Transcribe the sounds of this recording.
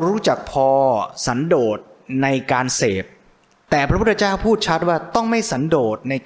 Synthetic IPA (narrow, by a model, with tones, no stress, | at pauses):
ɾuː˦˥t͡ɕa˨˩k̚pʰɔː˧sa˩˦ndoː˨˩t̪̚na˧jkaː˧nseː˨˩p̚ | t̪ɛː˨˩pʰɾpʰt̪̚ʰːa˧t͡ɕaː˥˩wpʰuː˥˩t̪̚t͡ɕʰa˦˥t̪̚waː˥˩t̪ɔ˥˩ŋma˥˩jsa˩˦ndoː˨˩t̪̚na˧j